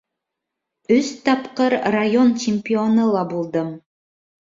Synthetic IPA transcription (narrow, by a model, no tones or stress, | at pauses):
ʉst̪ɑpqɤɾrajo̞nt͡ɕɪmʲpʲionɤlˠɑbulˠd̪ɤm